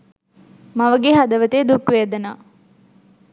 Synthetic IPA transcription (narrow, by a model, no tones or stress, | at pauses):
mɐʋɐɡeɦad̪ɐʋɐt̪eːd̪ukʋeɐd̪ɐnaː